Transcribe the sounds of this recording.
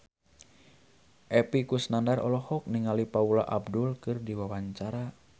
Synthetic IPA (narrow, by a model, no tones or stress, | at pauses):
ʔɛpikusnandarɔ̰lɔhɔk̚niŋalipaulaʔabdulkɨrdiwawaɲt͡ʃaɾa